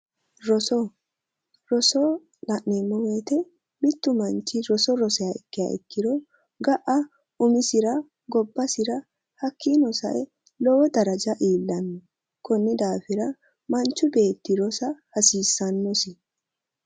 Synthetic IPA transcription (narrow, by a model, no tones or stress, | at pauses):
ɾɔsɔ | ɾɔsɔ | lɐʔnimːɔweːt̪ɛ | mɪt̪ːʊmɐnt͡ʃːɪɾɔsɔɾɔsɛjɐɪkːɪja̰ʔɪ̰kːɪd̪ɔ | ɡɐʔɐ | ʊmɪsɪɾɐ | ɡɔbːɐsɪɾɐ | hɐkʰːinɔsɐ̰ʔɛ | lɔwɔd̪ɐɾɐd͡ʒɐʔiːlːɐnːɛ | kɔnːɪd̪aːfɪɾɐ | mɐnt͡ʃːʊbe̞ːt̪ːɪɾɔsɐhɐsiːsːɐnːɔsɪ